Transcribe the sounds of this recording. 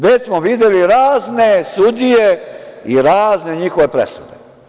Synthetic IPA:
ʋesmoʋid̪jeliɾaːznesud̪ijeiɾaːzne̞ɲixoʋe̞pɾḛsud̪e

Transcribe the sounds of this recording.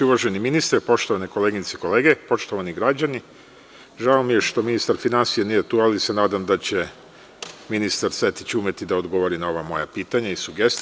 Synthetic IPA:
uʋaʒeniminist̪ɾepo̞ʃt̪o̞ʋaneko̞leɡit̪seiko̞leɡe̞po̞ʃt̪oʋaniɡɾad͡ʑani | ʒaomijeʃt̪o̞minist̪aɾfinansijenije̞t̪ualisenaːd̪amd̪at͡ɕe̞ | minist̪aɾse̞t̪i̥t͡ɕumet̪id̪aod̪ɡo̞ʋoɾinao̞ʋamo̞̰japiːt̪aɲaisuɡest̪

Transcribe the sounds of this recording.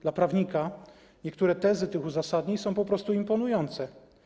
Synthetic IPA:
d̥̪lapɾavɲika | ɲɛkt̪uɾɛt̪ɛzɘt̪ɘxuzasad̪ɲisɔ̃w̃pɔpɾɔst̪uimpɔnujɔnt̪sɛ

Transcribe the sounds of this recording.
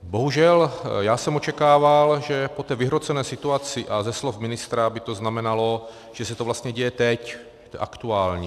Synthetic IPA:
bo̞ɦuʒɛljaːsɛmot͡ʃɛkaːvalʒɛpot̪ɛːvɪɦɾot͡sɛnɛːsɪt̪uat͡sɪʔazɛslofmɪnɪst̪ɾabɪt̪oznamɛnalo̞ | ʒ̥ɛsɛt̪ovlast̪ɲɛɟɛjɛt̪ɛc | ʔa̰kt̪uaːlɲɛ

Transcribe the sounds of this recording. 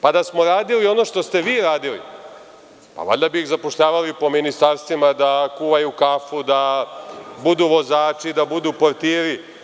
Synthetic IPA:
pad̪asmoɾaːd̪ilio̞no̞ʃt̪o̞st̪e̞ʋiːɾaːd̪ilḭ | pa̰ʋa̰ʎʲd̪abixzapoʃʎaːʋalipo̞minist̪aɾst̪ʋimad̪akuːʋajukaːfud̪a | bud̪uːʋo̞zaːt͡ʃid̪abud̪uːpoɾt̪iːɾi

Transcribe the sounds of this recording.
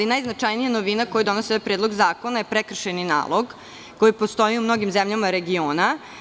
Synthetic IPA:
inajznat͡ʂajnijanoʋinakojad̪o̞noseapɾed̪lˠo̞ɡzaːko̞najepɾekr̩ʃenina̰ːlˠo̞ɡ | ko̞jipo̞st̪o̞jiumno̞ɡimzemʎamaɾe̞ɡioːna

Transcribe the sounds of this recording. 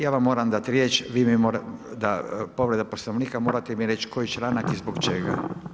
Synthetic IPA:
jaːʋamːo̞ːɾamd̪at̪iɾje̞t͡ʃʋiːmimoɾad̪apo̞ʋɾe̞d̪aposnoʋniːkamoːɾat̪emiɾe̞t͡ʃkojit͡ʃɾanak̪izbokt͡ʃeɡa̰

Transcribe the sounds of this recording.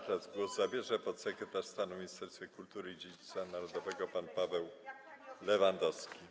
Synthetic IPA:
t̪ɾazɡwɔzzabʲjɛʐɛpɔt̪sɛkɾɛt̪aʂst̪anumʲiɲist̪ʂɛɾst̪fʲekult̪uɾɘid͡ʑed͡ʑit̪sanaɾɔd̪ɔvɛɡɔpanpavɛw | lɛvand̪ɔskʲi

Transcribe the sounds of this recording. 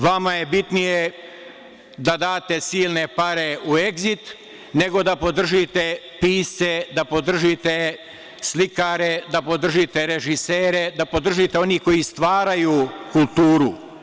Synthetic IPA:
ʋamaje̞bit̪nije | d̪ad̪aːt̪e̞siːlˠne̞paɾeue̞ɡzit̪ | ne̞ɡo̞d̪apo̞d̪r̩ʒit̪e̞ | piːst̪sed̪apo̞d̪r̩ʒit̪e | slikaɾe̞d̪apo̞d̪r̩ʒit̪e̞ɾe̞ʒiseːɾe̞d̪apo̞d̪r̩ʒit̪e̞o̞nihko̞jist̪ʋaːɾajuːkulˠt̪uːɾu

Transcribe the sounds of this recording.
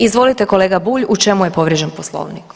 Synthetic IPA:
izʋo̞lit̪e̞ko̞leːɡabuːʎut͡ʃe̞mujepo̞ʋɾjeʒenposlˠo̰ːʋnik

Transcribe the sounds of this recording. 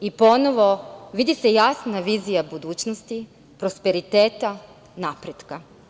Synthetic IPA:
ipo̞noʋo̞ʋid̪ise̞jasnaʋiːzijabud̪uːt͡ɕnost̪i | pɾospe̞ɾit̪eːt̪a | napɾed̪ka

